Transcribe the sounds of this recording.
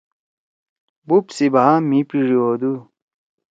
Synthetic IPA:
bupsibaamipiʐioːd̪u

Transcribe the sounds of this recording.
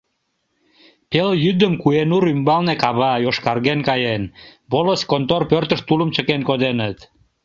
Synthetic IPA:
peljyd̪əmkuenuɾymbɑlnekɑβɑjoʃkɑrɣenkɑjenboləskont̪orpørt̪ə̆ʃt̪uləmt͡ɕəkenkod̪enət̪

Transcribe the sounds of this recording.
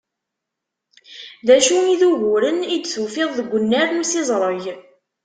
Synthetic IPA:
ðæʃuiðuʝʊɾənid̪θufɪðˤðəɡʷːənːæɾmusɪzˤɾˤəʝ

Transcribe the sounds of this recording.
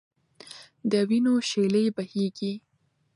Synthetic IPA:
d̪əwinoʃeləjbaheɡi

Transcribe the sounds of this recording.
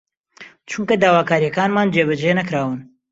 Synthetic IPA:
t͡ʃʰuŋkɐd̪aːwaːkaːɾjɐkaːnmaːnd͡ʒeːβɐd͡ʒenɐkɾaːwɨn

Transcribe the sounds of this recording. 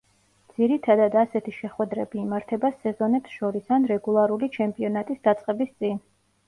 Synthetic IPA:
d̪z̥iɾit̪ʰad̪ad̪asɛt̪ʰiʃɛχwɛd̪ɾɛbiːmaɾt̪ʰɛbasɛzɔnɛpsʃɔɾisanɾɛɡulˠaɾulit͡ʃʰɛmpʼiɔnat̪ʼisd̪at̪sʼqʼɛbist̪sʼin

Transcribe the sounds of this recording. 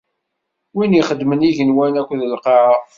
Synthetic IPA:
winjiχəd̪ːməniʝənwænækʷːðəlqɑʕɑ

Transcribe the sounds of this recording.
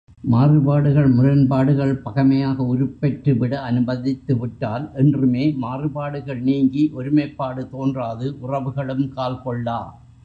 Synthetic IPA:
maːrɯbaːɽɯɣɐɭmʊɾɐnbaːɽɯɣɐɭpɐɣɐmɐjaːɣɐʊɾɯpːɛʈrɯʋɪɽɐɐnɯbɐðɪt̪ːɯʋɪʈːaːlʔɛndrɯmeːmaːrɯbaːɽɯɣɐɭniːŋɡiʔɔɾɯmɐɪpːaːɽɯt̪oːndraːðɯʔʊrɐʋɯɣɐɭɯmkaːlkɔɭːaː

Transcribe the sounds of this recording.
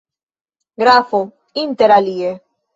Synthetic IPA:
ɡɾafo | int̪eɾalie

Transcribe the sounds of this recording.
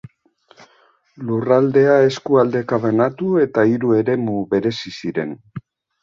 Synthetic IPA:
lurald̪e̞ae̞skuald̪e̞kaβanat̪ue̞t̪aiɾue̞ɾe̞muβe̞ɾe̞sisiɾe̞̰n

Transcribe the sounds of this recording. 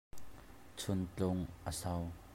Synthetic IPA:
t͡sʰʊnt͡ɬʊŋʔəsɐw

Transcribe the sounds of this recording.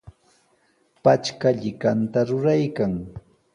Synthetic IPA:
pat͡ʃkaʎɪkant̪aɾʊɾajkaŋ

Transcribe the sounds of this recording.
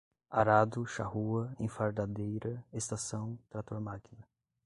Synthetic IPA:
aɾad̪ʊʃahuɐẽfaɾd̪ad̪ejɾɐest̪asɐ̃w̃t̪ɾat̪oɾmakinɐ

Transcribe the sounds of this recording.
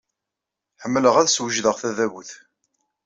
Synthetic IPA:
ħəmːələʁæðswəʒðəʁθæðæβuθ

